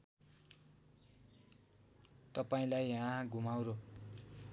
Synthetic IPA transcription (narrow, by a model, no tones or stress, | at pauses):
t̪ʌpaĩlajãɡʱumawɾo